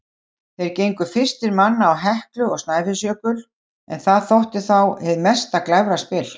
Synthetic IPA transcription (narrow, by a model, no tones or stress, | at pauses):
θejɾ̥cejŋkʏ̥fɪr̥st̪ɪɾmanːaːwɦɛhklʏɔɣst̪naːjfɪsjœːkʏl | ɛ̰nθaðθowht̪ɪ̥θawhɛðmɛst̪aklɛvɾaspɪːl